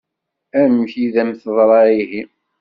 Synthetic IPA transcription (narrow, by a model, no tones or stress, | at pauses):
æmçiðæmθəðˤɾˤɑihi